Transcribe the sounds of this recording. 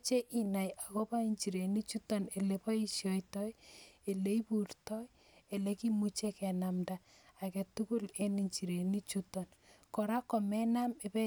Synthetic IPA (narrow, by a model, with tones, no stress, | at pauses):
t͡ʃe˦ʔi˦na˨ja˨kɔ˦pa˦i˦ɲt͡ʃi˨ɾe˨ni˦t͡ʃu˦tɔ˦ne˨le˨pa˦i˦ʃjɔ˨jtɔje˨le˦i˦pu˨ɾtɔ˦j | e˨le˦ki˦mu˦t͡ʃe˦kɛ˨na˨mdaː˨ | ke˨tu˦ku˦le˦ni˨ɲt͡ʃi˨ɾe˨ni˦t͡ʃutɔnkɔ˨ɾa˦kɔ˨mɛ˦na˦me˨pɛ˦